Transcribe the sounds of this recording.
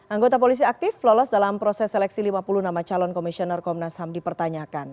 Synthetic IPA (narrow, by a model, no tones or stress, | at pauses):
ʔaŋɡot̪apolis̬iak̚t̪ɪflɔlɔsdalampɾɔsɛsːɛlɛk̚silimapulunamat͡ʃalɔnkɔmisiɔnɛrkɔmnashamdipərt̪aɲakan